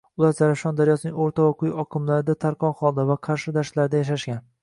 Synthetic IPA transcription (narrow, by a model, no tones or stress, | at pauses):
ʊlˠaɾzaɾafʃɒnd̪aɾjɒsɪnɪŋoɾt̪ʰavaqʰʊjɒqʰɨmlaɾɪd̪at̪ʰaɾqʰɒnχɒlˠd̪avaqʰɑɾʃɪd̪aɾʃlaɾɪd̪ajaʃ̬aʃɡʲan